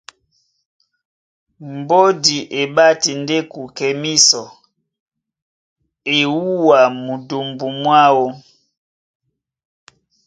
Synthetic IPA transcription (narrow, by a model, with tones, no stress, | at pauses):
mbo˦di˨ʔe˨ɓa˦ti˨nde˦ku˨kɛ˨mi˦sɔ˨ | e˨wu˦wa˨mu˨du˨mbu˨mwa˦wo˦